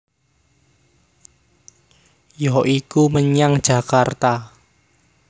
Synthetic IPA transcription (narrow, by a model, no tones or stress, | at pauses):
jɔʔikuməɲaŋ̥ʒ̥a̤kart̪a